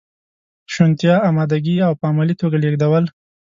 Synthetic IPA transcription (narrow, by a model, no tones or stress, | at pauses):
ʃʊnt̪jɑɑmɑd̪aɡiawpəamalit̪oɡaleɡd̪awəl